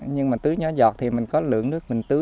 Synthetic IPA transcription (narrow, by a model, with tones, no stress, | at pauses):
ɲɨ˧ŋmaː˨˩t̪ɨ˨˦jɲɔ˨˦zɔ˨˩t̚t̪ʰi˨˩mï˨˩ŋ̟kɔ˨˦lɨ̰˧˨əŋnɨ˦˥ək̚mï˨˩ŋ̟t̪ɨ˨˦